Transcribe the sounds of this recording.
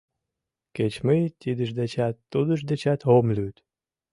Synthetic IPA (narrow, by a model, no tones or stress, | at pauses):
ket͡ɕmɨjt̪ʲid̪əʒd̪et͡ɕæt̪ːud̪ə̆ʒd̪et͡ɕæt̪ɦomlʲyt̪